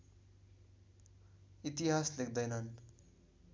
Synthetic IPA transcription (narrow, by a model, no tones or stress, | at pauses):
it̪iɦaslekd̪ʌjnʌn